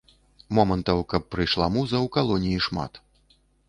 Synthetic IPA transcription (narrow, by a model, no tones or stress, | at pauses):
mɔmɐnt̪ɐwkɐpːɾɨjʂlˠamuzɐwkalˠɔnʲijiʂma̰t̪